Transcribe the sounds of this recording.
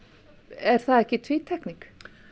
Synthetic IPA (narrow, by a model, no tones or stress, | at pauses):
ɛɾ̥θaðɛhcɪt̪ʰviːt̪ʰɛkniŋk